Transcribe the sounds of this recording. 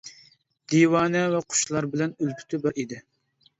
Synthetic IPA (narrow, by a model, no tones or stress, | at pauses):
d̪̥iwɑːnɛvɛqʰʊ̥ʃlˠɑɾbɪlɛnylpʰy̥t̪ʰɪbɛʔid̪ɪ